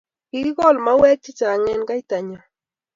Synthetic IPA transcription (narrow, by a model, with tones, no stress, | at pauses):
i˦ɣo˦lmawe˦t͡ʃɪ˦t͡ʃa˨ŋe˦nka˦jt̪a˨ɲa